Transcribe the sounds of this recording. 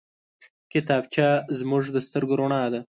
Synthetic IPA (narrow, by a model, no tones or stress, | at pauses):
kɪt̪ɑːb̚t͡ʃazmʊʐd̪əst̪əɾɡɾoɳɑd̪a